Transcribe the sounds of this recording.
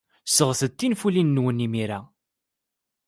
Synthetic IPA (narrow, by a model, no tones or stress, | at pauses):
səʁθət̪ːinfulinːwənimiɾa